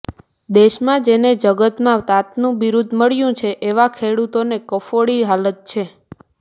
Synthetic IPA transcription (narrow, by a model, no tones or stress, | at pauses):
d̪eʃmãd͡ʒened͡ʒəɡət̪mãʋt̪at̪nũʋiɾud̪ʱməɭjũt͡ʃʰeʔeʋakʰeɽut̪onekəfoɽiɦalət̪̚t͡ʃʰe